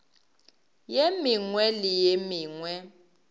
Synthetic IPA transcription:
jemiŋwɛlɪjemiːŋwɛ

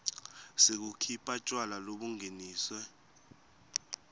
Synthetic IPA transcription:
sek̬ukʰipʰʼat͡ʃʼwalaloɓuŋʱeniːswɛ

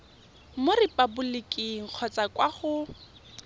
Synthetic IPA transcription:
morɪpʼabʊlɪkʼiŋ̩q͡χʰɔt͡sakʼwaχʊ

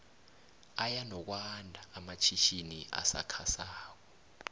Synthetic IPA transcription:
ajanɔk̬wandʱaːmat͡ʃʰiʃiniʔa̰sa̰kʰasaːk̬ɔ

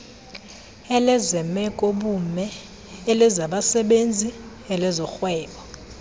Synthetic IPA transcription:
ɛlɛzɛmɛkʼoɓumɛ | elɛzaɓasɛɓend͡zʱi | ɛlɛzɔxwɛːɓɔ

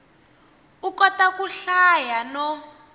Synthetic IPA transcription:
ukɔtakuɬajanɔ

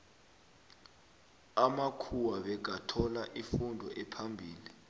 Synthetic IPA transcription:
amakʰuwaɓɛɡ̬ʱatʰɔlaʔifundʱɔʔɛpʰambʱiːli

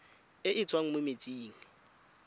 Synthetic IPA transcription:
ɪʔɪt͡sʼwaŋ̩mʊmet͡sʼiːŋ̩

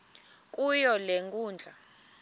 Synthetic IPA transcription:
kʼujɔleŋɡʼuːnd͡ɮʱa

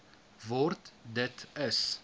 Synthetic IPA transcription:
vɔɾt̪d̪ɛt̪ɛs

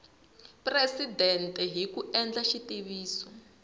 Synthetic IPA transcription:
presidɛntʼɛɦikuɛnd͡ɮaʃitiβiːswɔ

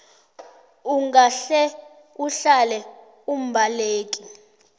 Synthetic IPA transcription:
uŋaɬɛ | uɬalɛ | um̩bʱaleːkʼi

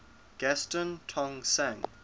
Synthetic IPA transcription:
ɡ̥ɛstə̃ntʰɔ̃ŋsãŋ

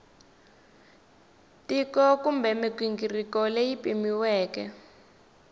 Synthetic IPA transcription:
tikɔkumbɛmikwiŋɡirikɔlejipimiwɛːkɛ

